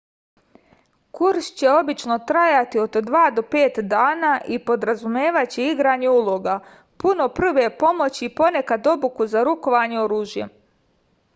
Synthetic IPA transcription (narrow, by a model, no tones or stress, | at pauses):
kuɾʃt͡ɕeo̞bit͡ʃno̞t̪ɾajat̪io̞d̪d̪ʋaːd̪o̞pe̞ːt̪d̪aːnaːʔipo̞d̪ɾazumje̞ːʋat͡ɕiiɡɾaːɲeulˠo̞ɡa | puno̞pr̩ʋe̞po̞mo̞t͡ɕiːpo̞ne̞kad̪o̞bukuzaɾuko̞ʋaɲeo̞ɾuːʒjḛ